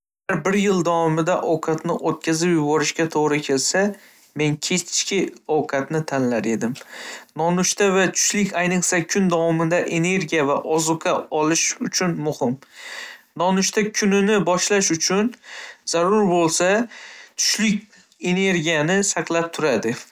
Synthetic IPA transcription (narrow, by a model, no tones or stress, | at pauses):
ɡʲaɾbɪɾjɪlˠd̪awɒmɪd̪aʔɒwqʰɑt̪nɪʔot̪̚kʲazɪpjʊbɒɾɪʃkʲat̪ʰoʁɾɪkʲʰe̞lsa | me̞nkʲʰe̞t͡ʃt͡ʃkʲʰɪɒwqʰɑt̪nɪt̪ʰanlaɾe̞d̪ɪmnɒnʊʃt̪avat̪ʰʊ̥ʃlɪkʲʰajnɨqsakʲʰʊnd̪awɒmɪd̪aʔe̞ne̞ɾɡʲijavaʔɒzʊqʰɑɒlˠɪʃʊt͡ʃʰʊnmʊhɪm | nɒnʊʃt̪ʰakʲʰʊnɪnɪbɒʃlaʃʊt͡ʃʰʊnz̥aɾʊɾbolˠsat̪ʰʊ̥ʃlɪkʲ | e̞ne̞ɾɡʲijanɪsaqlˠap̚t̪ʰʊɾad̪ɪ